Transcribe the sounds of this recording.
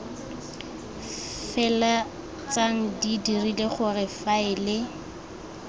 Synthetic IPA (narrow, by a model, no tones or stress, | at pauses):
fɛla | t͡saŋ̩didirileχʊrɪfaɪlɪ